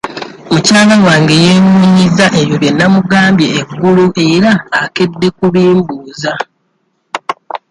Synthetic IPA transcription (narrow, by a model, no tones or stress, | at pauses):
mucaːlawaːŋɡe̞je̞ːmuɲizaʔe̞jo̞βjenːamuɡaːmbje̞ːɡːuluʔe̞ɾaːke̞dːe̞kuβiːmbuːza